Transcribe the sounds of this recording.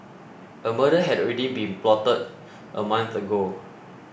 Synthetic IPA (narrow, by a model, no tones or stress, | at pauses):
ʔəməɾəɦɛdɔɹɛdibĩnplɔtəd̚ | ʔəmãnθəɡo